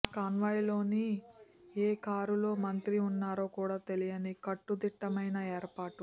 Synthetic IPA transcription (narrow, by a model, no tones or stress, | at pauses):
kaːnʋaːjlo̞ːni | eːkaːɾulo̞ːmɐnt̪ɾiunːaːɾo̞ːkuːɽaːt̪e̞lijɐnikɐʈːud̪iʈːɐmɐjnɐeːɾpaːʈu